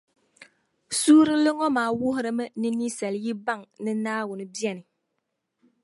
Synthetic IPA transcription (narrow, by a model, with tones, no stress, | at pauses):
suː˦ɾɨ˦lɨ˦ŋɔ˦maː˨˦wʊ˦ɦʊ˦ɾɨ˦mɨ˦nɨ˦ni˦sɛ˨lji˦ba˦˨ŋnɨ˦naː˦wʊ˨nɨ˨bi˦ɛ˨nɨ˨